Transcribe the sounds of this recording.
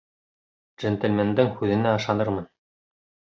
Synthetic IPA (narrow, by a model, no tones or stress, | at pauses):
ʒɘ̆nt̪ɘ̆lʲmend̪ɘŋhʉðɘ̆næɑʃɑnɤɾmɤn